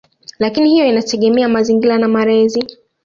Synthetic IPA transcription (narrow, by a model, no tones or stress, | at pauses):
lakinihijɔinatɛɠɛmɛamaziŋɡilanamaɾɛzi